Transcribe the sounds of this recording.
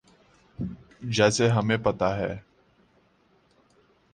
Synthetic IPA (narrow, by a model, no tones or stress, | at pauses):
d͡ʒɛːseɦɐmẽpɐt̪aɦɛ̰ː